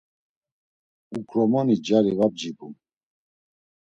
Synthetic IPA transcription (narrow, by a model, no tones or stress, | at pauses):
ukʰɾɔmanid͡ʒaɾivab̚d͡ʒibum